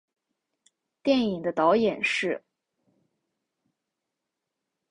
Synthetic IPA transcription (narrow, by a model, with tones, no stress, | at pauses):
t̪jɛ˥˩ni˨˩ŋd̪ə˦t̪ɑ˧˥ʊjɛ˨˩nʂɻ̩˥˩